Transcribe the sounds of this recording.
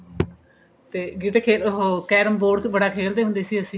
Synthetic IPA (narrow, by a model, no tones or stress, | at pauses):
t̪eːɡiʈeːkʰeːlɦokɛːɾəmboːɖbəɽaːkʰeːld̪eːɦʊ̃nd̪eːsiːəsĩː